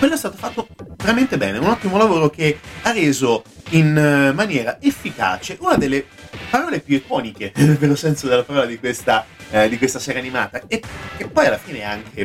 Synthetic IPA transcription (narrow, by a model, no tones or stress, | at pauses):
kweloɛst̪aːt̪ofat̪ːoveɾament̪ebɛːneunɔt̪ːimolavoːɾok̟earːeːzoinmanjɛːɾaʔefːika̰ːt͡ʃeʔunad̪elːe | paɾɔːlepjuekɔːnikenelːosɛnsod̪elːapaɾɔːlad̪ikwest̪ad̪ikwest̪aseːɾaːnima̰ːt̪akekːepːɔjalːafiːneɛaŋkʰe